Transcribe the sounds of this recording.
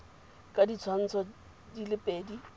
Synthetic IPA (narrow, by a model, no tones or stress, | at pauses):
kʼadit͡sʰwan̩t͡sʰɔ | dilɪpʼeːdi